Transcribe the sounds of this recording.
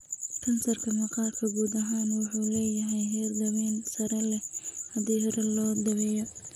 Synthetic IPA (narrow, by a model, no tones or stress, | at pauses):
kʰɐnsɐrkʰɐmɐqɑːrkʰɐɡuːd̪ɐɦaːnwɑħuːlɛːjɐɦɛjɦɛrd̪ɐβɛːnsɐɾɛlɛhɐd̪iːɦɔɾɛlɔːd̪ɐβɛːjɔ